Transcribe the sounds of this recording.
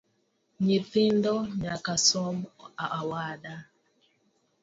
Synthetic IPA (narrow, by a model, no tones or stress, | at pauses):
ɲiθindɔɲakasɔmaʔawaɗa